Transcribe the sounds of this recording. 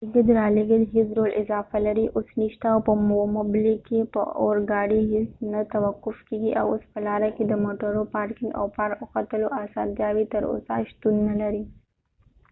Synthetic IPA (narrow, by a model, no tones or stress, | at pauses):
iɡ̪əd̪ɾɑleɡəlɦɪsɾolʔɪzɑfalaɾiʔosniʃt̪aawpəmomʊblikepə̰o̰ɾɡɑɽiɦesnat̪awaqːʊfkeɡiʔa̰wospəlɑɾaked̪əmoʈaɾopɑɾkɪŋɡa̰wpɑɾʊxat̪əloʔasɑnt̪jɑwit̪əɾo̰sa̰ʃt̪unːalaɾi